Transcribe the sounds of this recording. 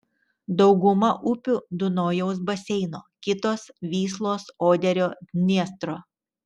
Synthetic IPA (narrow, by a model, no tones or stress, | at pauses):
d̪ɒʊɡʊmɐʔʊpʲʊd̪ʊnoːjɛʊs̬bɐsʲɛɪnoːkʲɪt̪oːsʋʲiːslˠoːsoːd̪ʲɛɾʲoːnʲiɛst̪ɾoː